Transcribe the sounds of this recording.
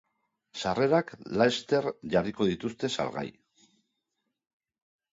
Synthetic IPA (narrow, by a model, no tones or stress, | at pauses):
sare̞ɾaklaest̪e̞ɾʝariko̞ðit̪ust̪e̞sa̰lɣa̰j